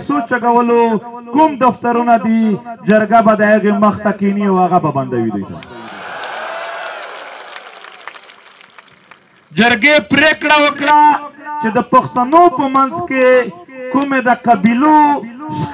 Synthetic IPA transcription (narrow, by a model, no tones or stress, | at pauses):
sot͡ʃaɡawəlokumd̪aft̪aɾunad̪id͡ʒaɾɡabad̪əhaɣeməxt̪akiniawhaɣababand̪awid̪ḭta̰ | d͡ʒəɾɡepɾekɽawəkɽat͡ʃed̪əpaxt̪anopəmanzkekumed̪əqabiloʃ